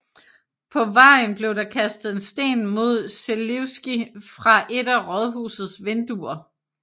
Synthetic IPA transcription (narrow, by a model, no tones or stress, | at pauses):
pʰɒ̽ʋɑ̈ɪ̰nb̥le̝ʊd̥ɑ̈kʰæsd̥ð̩ˠe̝nsd̥e̝̰ːnmo̝ð̞̰ˠseleʊsɡ̥ifʁɑ̈ʔe̝ɾæʁɒð̞ˠɦṵːsð̩ˠsʋend̥uɐ